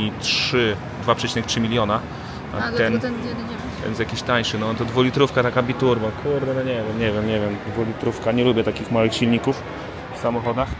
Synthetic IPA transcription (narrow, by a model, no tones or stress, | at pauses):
itʂɘ | d̪vapʂɛt͡ɕinɛk̚tʂɘmʲilʲjɔna̰ | ɛnt̪ɛ | t̪ɛ̰nzjakʲiɕt̪aɲʂɘnɔɔnt̪ɔd̪vulʲit̪ɾufkat̪akabʲit̪uɾbɔkʰuɾd̪ɛnɔɲɛvjɛmɲɛvʲjɛmɲɛvʲjɛmd̪vulʲit̪ɾufkaɲɛlubʲɛt̪akʲixmawɘxɕilɲikuf | fsamɔxɔd̪ax